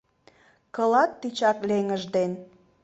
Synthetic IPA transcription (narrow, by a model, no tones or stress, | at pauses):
kɤ̆lɑt̪ːit͡ɕɑkleŋəʒd̪en